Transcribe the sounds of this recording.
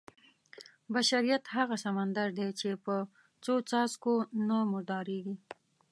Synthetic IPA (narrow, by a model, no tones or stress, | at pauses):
baʃaɾijat̪haɣasamand̪aɾd̪et͡ʃepə | t͡sot͡sɑzkonamʊʒd̪ɑɾeɡi